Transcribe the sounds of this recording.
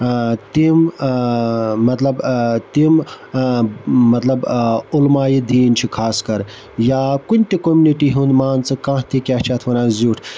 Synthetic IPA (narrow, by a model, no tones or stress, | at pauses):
t̪im | mɐt̪lɐbt̪im | mɐt̪lɐbulmaːjid̪iːnt͡ʃʰikʰaːskɐɾ | jaːkunʲt̪ikomuniʈiɦũnd̪maːnt͡sɨkãt̪ʰikʲaːt͡ʃʰat̪ʰʋɐnaːzuːʈʰ